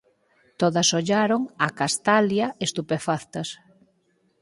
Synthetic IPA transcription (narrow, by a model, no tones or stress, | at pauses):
t̪oðɐsoʎaɾoŋakast̪aljɐest̪upefaθt̪ɐs